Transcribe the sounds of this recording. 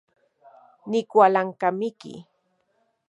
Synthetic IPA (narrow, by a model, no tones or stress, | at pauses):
nɪkwalaŋkamɪkɪ̰